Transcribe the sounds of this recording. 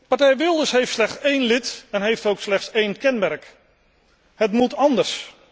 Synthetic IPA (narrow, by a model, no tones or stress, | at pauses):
pɑɹtɛjʋɪlˠdəsɦejftslɛχtsejnlɪtɛnɦejftowkslɛχtsejnkɛnmɛɹk | hətmutɑndəɹs